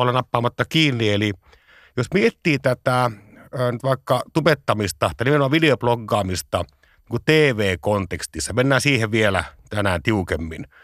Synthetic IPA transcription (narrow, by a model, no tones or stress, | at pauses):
olenɑpːɑːmɑt̪ːɑkiːnːieli | josmiet̪ːiːt̪æt̪æ | øːnyt̪ʋɑˑikːɑt̪upet̪ːɑmist̪ɑt̪ɑnimenomɑʋʋideoploɡːɑːmist̪ɑ | niːŋkut̪eːʋeːkont̪ekst̪isːɑmenːæːsiːheʋʋielæ̰t̪ænæːnt̪iukemːḭn